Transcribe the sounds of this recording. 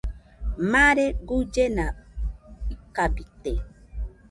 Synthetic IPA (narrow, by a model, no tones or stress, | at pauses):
maɾeɡud͡ʒena | ikabit̪e